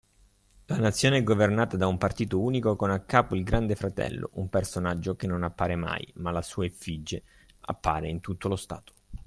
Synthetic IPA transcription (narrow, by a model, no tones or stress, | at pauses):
lanat̪sːjoːneɛɡːovernaːt̪ad̪aumpart̪iːt̪ouːnikokonakːaːpoilɡɾand̪efɾat̪ɛ̰lːo̰ʔumpersonad͡ʒːokenːonapːaːɾema̰jmalasuːaefid͡ʒːe | a̰pːa̰ːɾeint̪ut̪ːolost̪a̰ːt̪o̥